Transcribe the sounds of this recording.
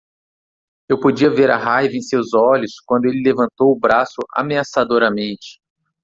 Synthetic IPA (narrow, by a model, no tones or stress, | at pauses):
ewpod͡ʒiɐveɾɐ̰ɦajvɐẽj̃sewzɔʎʊskwɐ̃nd̪ʊelɪlevɐ̃nt̪owʊbɾasʊʔa̰measad̪oɾɐmẽnt͡ʃɪ̥